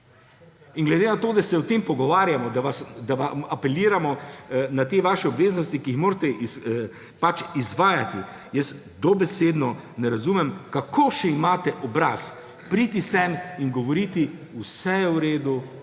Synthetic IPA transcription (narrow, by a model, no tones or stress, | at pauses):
inɡlɛd̪enat̪oːd̪asɛɔt̪empɔɡɔʋaːɾjamɔd̪aʋasd̪aʋaapɛliːɾamɔnat̪eʋaːʃɛɔbʋeːznɔst̪ikiixmoːɾt̪ɛʔi | pat͡ʃizʋaːjat̪i | jɛs | d̪ɔbɛsed̪nɔnɛɾazumɛmkakʰoːʃɛimaːt̪ɛʔɔbɾas | pɾiːt̪isɛmiŋɡɔʋɔɾiːt̪i | usɛjɛwɾeːd̪u